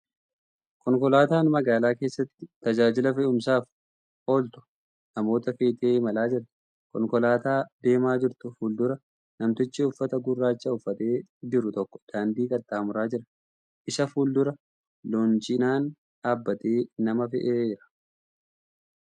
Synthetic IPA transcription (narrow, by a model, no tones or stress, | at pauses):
kɔŋkɔlaːt̪aːnmɐɡaːlaːke̞ːsːɐt̪ːɪt̪ɐd͡ʒaːd͡ʒɪlɐfɛʊmsaːf | ʔo̞ːlt̪ʊ̥ | nɐmo̞ːt̪ɐfeːt̪eːmɐlaːd͡ʒɪɾt̪ɪ̥ | kɔŋkɔlaːt̪aːd̪e̞ːmaːd͡ʒɪɾt̪ʊfuːld̪ʊɾɐ | nɐmt̪ɪt͡ʃːɪʊfːɐt̪ɐɡʊrːaːt͡ʃːɐʊfːɐt̪e̞ːd͡ʒɪɾʊt̪ɔkːɔ̥d̪̥aːnd̪iːkʼɐt̪ːaːɐmʊɾaːd͡ʒɪɾɐ̥ | ʔɪsɐfuːld̪ʊɾɐ | loːnt͡ʃɪnaːn | aːbːɐt̪eːnɐmɐfɛ̰ʔeːd͡ʒɪɾɐ̥